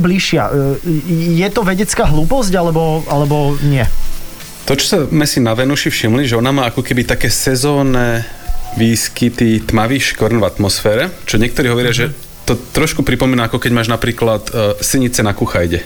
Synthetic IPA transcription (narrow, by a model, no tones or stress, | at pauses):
bliʃɪa̰ | jɛt̪ɔʋɛɟɛt͡skaːɦluːpɔzcalɛbɔalɛbɔɲɪɛ | t̪ɔt͡ʃɔ̥samɛsinaʋɛnuʃifʃimliʒɛɔnamaːakɔkɛbit̪akɛːsɛzɔːnɛʋiːskit̪it̪maʋiːxʃkʋɔɾnvat̪mɔsfɛːɾɛt͡ʃɔɲɪɛk̚t̪ɔɾiːɦɔʋɔɾɪaʒɛ | t̪ɔt̪ɾɔʃkupɾipɔmiːnaakɔkɛɟmaːʒnapɾiːklat̪siɲit͡sɛnakuxajɟɛ